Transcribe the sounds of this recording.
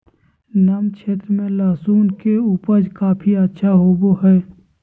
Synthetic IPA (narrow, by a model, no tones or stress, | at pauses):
namkʰeːt̪ɾəmẽlaːsuːnkeuːpəd͡ʒkaːpʰiətːʃʰaɦoːboɦɛː